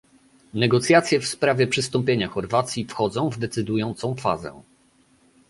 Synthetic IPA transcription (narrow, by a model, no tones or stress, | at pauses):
nɛɡɔt̪sʲjat̪sʲjɛfspɾavʲjɛpʂɘst̪ɔmpʲjeɲaxɔɾvat̪sʲjifxɔd̪zɔ̃w̃vd̪ɛt̪sɘd̪ujɔnt̪sɔ̃w̃fa̰zɛ̰